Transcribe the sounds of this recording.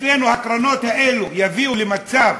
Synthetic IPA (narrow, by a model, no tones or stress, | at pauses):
ɛnuhakɾanɔtaɛlujaviulimat͡sa